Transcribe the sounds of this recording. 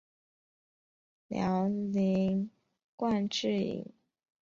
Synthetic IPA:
ljɑ˧˥ʊli˧˥ŋ | kwa˥˧nʈ͡ʂɻ̩˥˩ḭ˨˩˦ŋ

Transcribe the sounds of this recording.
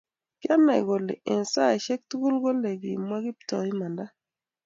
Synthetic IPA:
kja˦na˨ɡo˨lɪ̰˨ɪ˨nsa˦˨ʃɛ˦k̚tu˦ɡu˦lɡo˦le˨ɡḭ˨mwa˦ɡi˦ptɔ̰˨i˦ma˨nda˦

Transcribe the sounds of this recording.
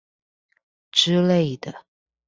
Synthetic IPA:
ʈ͡ʂɻ̩˥le˥˩ɪd̪ə˩

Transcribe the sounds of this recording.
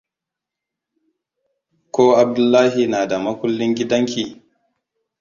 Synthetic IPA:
kʷoː˦ʔa˨b̚dʊ˦lːaː˦ɦi˨naː˨da˨mɐ˦kʷʊ˦lːɪ˦ŋɡʲɪ˦dɐ˦ŋkʲiː˨

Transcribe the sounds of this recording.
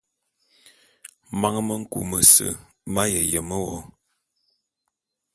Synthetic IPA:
ma˦ŋmə˦ŋ̩˦kṵ˨mə˨sə̰˨ | ma˦jə˨jə˨mə˦wɔ˦

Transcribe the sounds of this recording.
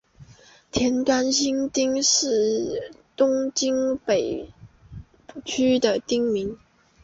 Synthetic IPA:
t̪ʰjɛ˧˥nt̪wa˥nɕi˥nt̪i˥ŋʂɻ̩˥˩t̪ʊ˥ŋt͡ɕi˥ŋpe˨˩ɪ | t͡ɕʰy˥d̪ə˨t̪i˥ŋmi˧˥ŋ

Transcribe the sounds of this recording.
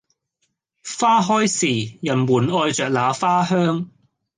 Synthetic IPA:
faː˥ɦɔː˥jsiː˨˩jɐ˨˩nwuː˨˩nɔː˧jt͡ʃœː˨k̚laː˨˧faː˥ɦœː˥ŋ

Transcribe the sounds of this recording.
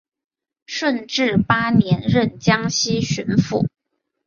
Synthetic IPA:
ʂwə˥˧nʈ͡ʂɻ̩˥˩pa˥njɛ˧˥nɻə˥˩nt͡ɕjɑ˥ŋɕi˥ɕy˧˥nfṵ˥˩

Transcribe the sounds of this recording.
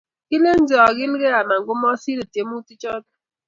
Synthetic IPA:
i˦le˦n̩˦d͡ʒɔ˨ɣɪ˦n̩˦ɣe˦a˨ma˨ŋ̩˨ɡʊ˦mɔ˦si˦ɾe˨te˨˦mu˦ti˦t͡ʃɔ˦t

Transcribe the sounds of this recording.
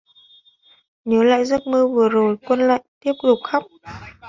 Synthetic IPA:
ɲəː˨˦la̰ː˧˨jzə˦˥t̚mɨ˧vɨ˨˩əzo˨˩jkwə˧nla̰ː˧˨jt̪i˦˥əp̚t̪ʊ˨˩k͡p̚xa˦˥k͡p̚

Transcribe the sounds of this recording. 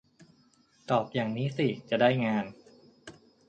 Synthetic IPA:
t̪ɔː˨˩p̚jaː˨˩ŋniː˦˥si˨˩t͡ɕa˨˩daː˥˩jŋaː˧n

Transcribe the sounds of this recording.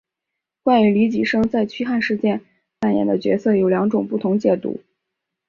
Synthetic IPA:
kwa˥˩ny˧˨˩li˧˥t͡ɕi˨˩ʂɤ˥ŋt͡sa˥˩ɪt͡ɕʰy˥xa˥˧nʂɻ̩˥˧t͡ɕjɛ˥˧n | fa˥˩njɛ̰˨˩nd̪ə˦t͡ɕɥɛ̰˧˥sɤ˥˩jo˨˩ʊljɑ˧˥ŋʈ͡ʂʊ˨˩ŋpu˥˩t̪ʰʊ˧˥ŋt͡ɕjɛ˨˩t̪ṵ˧˥

